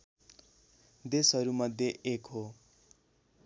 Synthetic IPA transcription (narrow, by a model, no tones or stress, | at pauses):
d̪esʌɾumʌd̪ʱjeʔekɦo